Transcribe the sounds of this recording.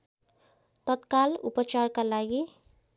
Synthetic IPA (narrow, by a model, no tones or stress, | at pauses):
t̪ət̪kalṵpət͡ʃaɾkalaɡi